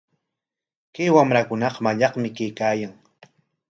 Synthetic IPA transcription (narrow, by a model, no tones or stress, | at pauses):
kajwamɾakʊnɑqmaʎɑqmɪkajkaːjaŋ